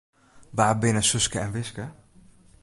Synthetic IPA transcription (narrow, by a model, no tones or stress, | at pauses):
ʋaːbɪnəsɵskəɛnʋɪskə